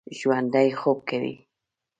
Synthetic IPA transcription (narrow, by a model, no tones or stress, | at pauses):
ʒwand̪ajxob̚kawḭ